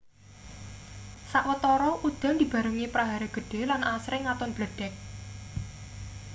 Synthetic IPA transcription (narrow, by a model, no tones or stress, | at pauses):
saʔwət̪ɔɾɔʔud̪̥a̤nd̪i̤b̥ä̤ɾuŋipɾaɦaɾeɡ̥ə̤ɖ̥e̤lanʔasɾɪŋːat̪ʊnb̥ləɖ̪̥ɛk̚